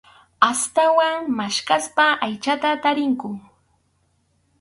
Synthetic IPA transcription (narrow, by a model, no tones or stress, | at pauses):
ast̪awaŋmaʃkaspaajt͡ʃat̪at̪aɾɪŋkʊ